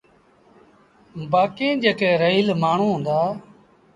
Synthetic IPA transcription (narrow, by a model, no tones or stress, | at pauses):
baːkẽːd͡ʒeːkeːɾəiːlmaːɳ̤ũːɦʊ̃nd̪aː